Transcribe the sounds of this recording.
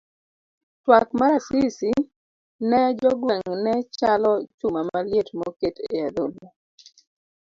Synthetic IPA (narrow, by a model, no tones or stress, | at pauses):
twakmaɾasisi | nɛd͡ʒɔɡwɛŋnɛt͡ʃalɔt͡ʃumamaljetmɔketead̪ono